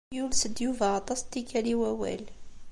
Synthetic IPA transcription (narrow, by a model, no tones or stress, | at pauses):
julsəd̪juvat̪ˤɑst̪ːikæliwæwæ̰l